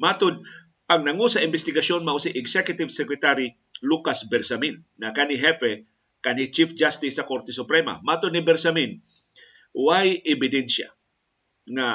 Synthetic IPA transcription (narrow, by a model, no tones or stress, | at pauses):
mat̪ʊd̪̚ | ɐŋnɐŋusaɪmbɛst̪ɪɡasjonmaʔusiʔɛɡsɛkjʊt̪ɪvsɛkɾɛt̪aɾi | lukasbɛɾsaminːakaniɦɛfɛ | kanhit͡ʃifd͡ʒast̪ɪsːɐkoɾt̪ɛsʊpɾɛma̰mat̪ʊd̪nɪbɛɾsamin | wajʔɪbɪd̪ɛnsja̰ | ŋa